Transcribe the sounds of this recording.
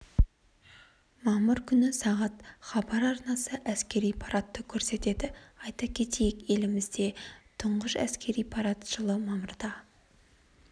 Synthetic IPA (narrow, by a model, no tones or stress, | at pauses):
mɑməɾkʲʰʏnɪsɑʁɑt̪χɑbɑɾɑɾnɑsəʔæskʲe̞ɾijpʰɑɾʔat̪ːəkʲʰɵɾse̞t̪e̞d̪ɪɑjt̪ɑkʲʰe̞t̪ʰe̞jɪke̞lɪmɪzd̪e̞t̪ʰʊɴʁəʃæ̰skʲe̞ɾijpʰɑɾat̪ʒ̥əlˠəmɑməɾd̪ɑ